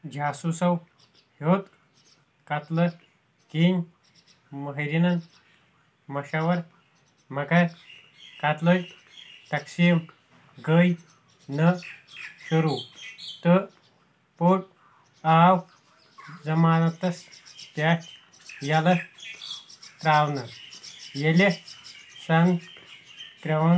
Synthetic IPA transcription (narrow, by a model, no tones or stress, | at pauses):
d͡ʑʱaːsusɐw | hoːt̪ | kat̪lə | kin | məɦɾinɐn | mɐʃaʋɐɾ | mɐka | kat̪ləj | t̪ɐksim | ɡəj | nɐ | ɕuɾuːt̪ə | poːʈ̚ | aːw | d͡zɐmaːnɐt̪ɐspjaː | jalɐ | t̪ɾaːwnɐ | jele | sɐn | k̪ɾɐʋɳ